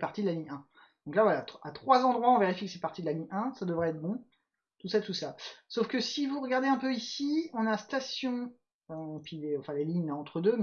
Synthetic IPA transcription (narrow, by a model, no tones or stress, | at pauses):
paʁt̪id̪əlaniʔɛ̃ | d̪̥ɔ̃klavwalaat̪χwazɑ̃d̪ʁwaɔ̃veʁifjikə̥sɛpaʁt̪id̪əlaniʔɛ̃sad̪əvʁɛɛt̪χbɔ̃ | t̪usaɛt̪usasofkəsivuʁəɡaʁd̪eɛ̃pøisiɔ̃nast̪asjɔ̃ | øɑ̃pileɑ̃fɛ̃leliɲɑ̃t̪χəd̪øm